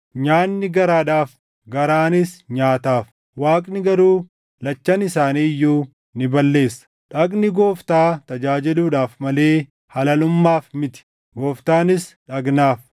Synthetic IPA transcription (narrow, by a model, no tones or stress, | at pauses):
ɲaːnːɪɡɐɾaːᶑaːf | ɡɐɾaːnɪsɲaːt̪aːf | waːkʼnɪɡɐɾuː | lɐt͡ʃːɐnɪsaːniːjːuː | nɪbɐlːe̞ːsːɐ̥ | ᶑɐɡnɪɡo̞ːft̪aːt̪ɐd͡ʒaːd͡ʒɪluːᶑaːfmɐle̞ː | hɐlɐlʊmːaːfmɪt̪ɪ̥ | ɡoːft̪aːnɪsᶑɐɡnaːf